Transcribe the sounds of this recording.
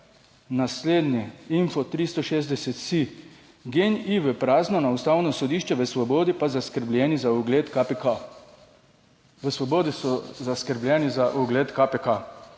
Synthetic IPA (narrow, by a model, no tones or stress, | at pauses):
nasleːd̪nʲjɛinfɔt̪ɾist̪ɔʃeːzd̪ɛsɛt̪si | ɡeniʋəpɾaːznɔnaust̪aːwnɔsɔd̪iːʃt͡ʃɛʋəsʋɔbɔːd̪ipazaskəɾblʲɛnizauɡlet̪kap | ʋəsʋɔboːd̪isɔzaskəɾbljɛnizaʔuɡleːt̪kapeka